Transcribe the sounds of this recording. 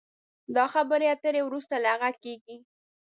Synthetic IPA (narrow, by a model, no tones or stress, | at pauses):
d̪ɑxabəɾeat̪əɾewɾust̪alaaɣakeɡi